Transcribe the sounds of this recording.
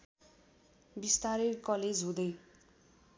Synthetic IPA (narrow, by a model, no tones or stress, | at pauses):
bist̪aɾerkʌled͡zɦũd̪ʌj